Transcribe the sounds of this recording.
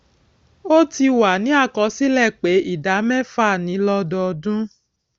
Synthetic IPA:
o˦ti˧wa˨nĩ˨˦a˦˨kɔ˧˦si˦lɛ˦˨k͡pe˨˦i˦˨da˨˦mɛ̃˦fa˦˨nĩ˨˦lɔ˧dɔ˧dũ˦

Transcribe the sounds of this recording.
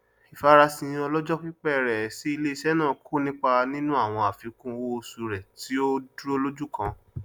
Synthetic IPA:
i˨fa˦ɾa˧sĩ˧ɔ˧lɔ˦d͡ʒɔ˦ki˦k͡pɛ˦˨ɾɛ˨si˨˦i˧le˦i˦˧ʃɛ˦nãː˦˨kʰu˦nĩ˦k͡pa˧nĩ˦nũ˦a˦˨w̃ɔ̃˧a˨fi˨˧kũ˦wo˦˧su˧ɾɛ˨ti˨˦o˦du˦o˦˧lo˦d͡ʒu˦˨kã˧

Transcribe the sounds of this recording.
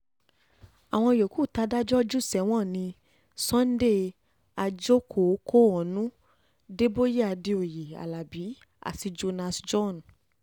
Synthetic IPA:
a˨w̃ɔ̃˧jo˨ku˦˨ta˧˦da˦d͡ʒɔ˦d͡ʒu˦˨sɛ˨˦w̃ɔ̃˦˨nĩ˧ | sɔ̃˦n̩˦de˦ | a˧d͡ʒo˦kʰo˨˦kʰo˦ɔ˨nũ˦ | de˦bo˦je˦a˧di˧o˨ji˨a̰˨la˨bi˨˦ | a̰˨si˧d͡ʒo˧na˧sd͡ʒɔ˦˨n˨

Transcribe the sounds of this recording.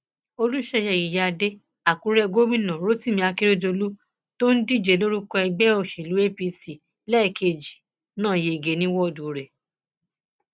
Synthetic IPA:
o˧lu˦ʃɛ˧jɛ˧˨ji˨ja˧de˦ | a˨kũ˨˦ɾɛ˦˧ɡo˦mĩ˦˨nã˨ɾo˦ti˦mĩ˧a˧ki˦ɾe˦d͡ʒo˧lu˦ | to˦n̩˦di˦˨d͡ʒe˨˦lo˦ɾu˦kɔ˧ɛ˧ɡ͡bɛ˦o˦˨ʃe˨lu˨˦e˦pi˧si˨ | lɛ˦˧˨ke˧˨d͡ʒi˨ | nãː˦˨je˧˦i˨ɡe˨˦nĩ˦wɔ˦˨du˨ɾe˨

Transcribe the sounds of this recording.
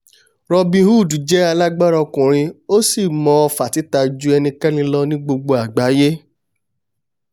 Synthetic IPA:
ɾɔ˧bĩ˧hu˦˨du˨d͡ʒɛ˨˦a˧la˦ɡ͡ba˦˨ɾa˧kũ˨ɾ̃ĩ˧o˦si˦˨mɔ̃˧ɔ˧fa˨ti˨˦ta˧d͡ʒu˦ɛ˧nĩ˧kɛ˦nĩ˧lɔ˧nĩ˦ɡ͡bo˧ɡ͡bo˧a˨ɡ͡ba˨˦je˦

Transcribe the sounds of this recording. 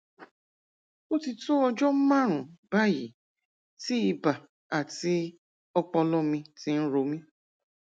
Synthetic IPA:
o˦ti˧to˦ɔ˧d͡ʒɔ˦m̩˦mã˦ɾ̃ũ˨ba˦jḭ˨ | ti˦i˧ba˨ | a˨ti˧ | ɔ˧k͡pɔ˧lɔ˦mĩ˧ti˧n̩˦ɾo˧mĩ˦

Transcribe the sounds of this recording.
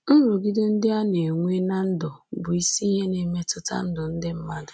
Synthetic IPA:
n̩˦ɾʊ˨ɡi˦de˦n̩˦dɪ˦a˦ne˨ŋʷe˦na˦n̩˦dʊ˨bʊ˨i˦si˦ɦe˦ne˨me˦tʊ˦ta̰˦n̩˦dʊ˨n̩˦dɪ˦m̩˦ma˦dʊ˨

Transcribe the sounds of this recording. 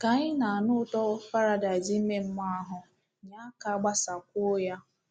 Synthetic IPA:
ka˨ɲɪ˦na˨a˨nʊ˦tɔ˦ʊ˦fa˦ɾa˦da˨d͡ʒi˦m̩˦me˦m̩˦ma˦a˦ɦʊ˨ | ɲa˦ka˦ɡ͡ba˦sa˨kʷʊ˦ja˦

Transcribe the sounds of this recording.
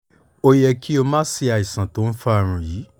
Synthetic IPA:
o˧jɛ˧kʰi˦o˧mãː˦si˧a˨i˨sã˨to˨˦n̩˦fa˦˧˨ɾ̃ũ˨jiː˨˦

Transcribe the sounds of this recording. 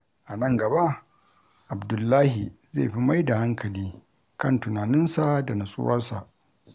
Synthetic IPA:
ʔa˨nɐ˦˨ŋɡɐ˨ba˦ʔ | ʔa˨bdʊ˨lːaː˦hi˨zḛː˦˨ɸi˦ma˦jda˨ha˦ŋkʰɐ˨liː˦ | kɐ˦ntʊ˨naː˨nɪ˦nsa˨da˨na˨sʼʊ̰˦wɐ˦rsa̰˨ʔ

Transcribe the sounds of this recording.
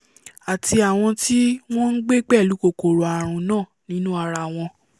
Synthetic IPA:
a˨ti˧a˨w̃ɔ̃˧ti˦w̃ɔ̃˦n̩˦ɡ͡be˦ɡ͡bɛ˦˨lu˨˦ko˦˨ko˨ɾo˨a˨ɾ̃ũ˧nãː˦˨nĩ˦nũ˦a˧ɾa˧˨w̃ɔ̃˧

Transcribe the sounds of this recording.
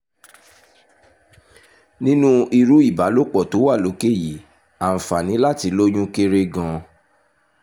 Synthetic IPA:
nĩ˦nũ˦i˧ɾu˦i˦˨ba˨˦lo˦k͡pɔ˦˨to˨˦wa˦˨lo˨˦ke˦˨ji˨˦ | a˨n̩˨fa˨nĩ˨˦la˦ti˧˦lo˦ɲũ˦ke˦ɾe˦ɡã˧

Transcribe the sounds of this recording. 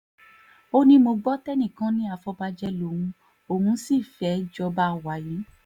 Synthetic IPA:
o˦nĩ˦mo˧ɡ͡bɔ˦tɛ˦nĩ˦˨kã˨˦nĩ˦a˧fɔ˧ba˧d͡ʒɛ˧lo˨˦hũ˧ | o˧˨hũ˧˦si˦˨fɛ˨˦d͡ʒɔ˧ba˦˨wa˨jĩ˨˦

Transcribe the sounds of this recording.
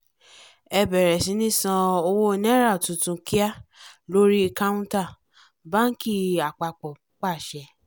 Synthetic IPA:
ɛ˧bɛ˨ɾɛ˨sĩ˨˧˦nĩ˦sã˧o˧wo˦˧nɛ̃˦ɾa˦˨tũ˨tũ˧ki˦a˦lo˦ɾi˦˧ka˦ũ˦ta˦˨ | ba˦n̩˦ki˦˨a˨k͡pa˨k͡pɔ˨ | k͡pa˦˨ʃɛ˧˦

